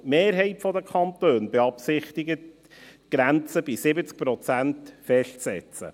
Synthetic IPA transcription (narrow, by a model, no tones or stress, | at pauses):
meːɾɦɛɪtfɔdəkʰχɑntøːnbɛɑpsɪχtɪɡət | ɡ̥ɾænt͡səb̥isɪbət͡sk̚pɾɔt͡sæntfɛʃtsɛ̰t͡sə̰